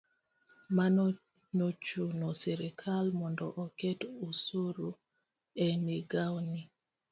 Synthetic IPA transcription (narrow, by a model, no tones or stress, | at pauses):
ma | not͡ʃunɔsɛɾɛkʰalmɔndɔʔɔkɛtusuɾu | ɛniɡawni